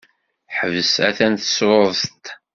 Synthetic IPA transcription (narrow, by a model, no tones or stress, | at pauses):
ħəvəsæ̰θænθəsɾoðˤθt̪